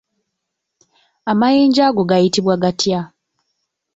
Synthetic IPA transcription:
amaje̞ːɲɟaɡo̞ɡajitiβwaɡatja

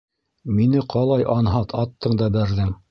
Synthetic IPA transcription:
minɘqʰɑlˠɑjʔɑnɦɑt̪ʰɑt̪ːɤɴd̪ɑbæɾðɘm

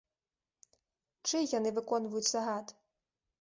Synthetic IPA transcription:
t͡ʂɨjanɨvɨkɔn̪vɐjut͡sʲsɐɦat̪

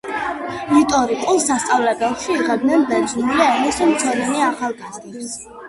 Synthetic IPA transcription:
lit̪ʼɔɾikʼulˠsast̪sʼavlɛbɛlˠʃiːʁɛbd̪nɛnbɛɾd͡ʒumuliɛmisumt̪sʰɔɾɛniaχalˠɡazd̪ips

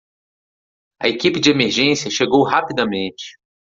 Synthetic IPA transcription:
ɐ̰ekipɪd͡ʒɪemeɾʒẽsiɐʃeɡowɦapid̪ɐmẽnt͡ʃɪ̥

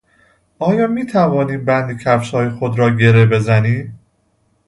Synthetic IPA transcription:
ʔɒːjɒːmiːt̪ʰævɒːniːmbænd̪icʲʰæfʃɒːjexod̪ɾɒːɟe̞ɾebe̞zæniː

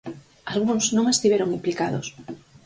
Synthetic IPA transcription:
alɣuŋsnõŋest̪iβeɾoŋimplikaðʊ̰s

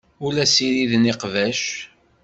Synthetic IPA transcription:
ʊlæsiɾiðniqvæʃ

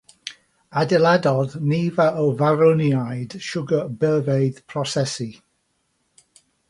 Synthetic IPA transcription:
adɪladɔðniːvaʔəwvaɾʊnjajd̥ʃʊɡəbɛlˠvejð̥pʰrɔsɛsi

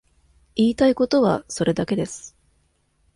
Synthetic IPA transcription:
iːt̪aiko̞t̪o̞βa̰so̞ɾe̞d̪ake̞d̪e̞sɨ̥

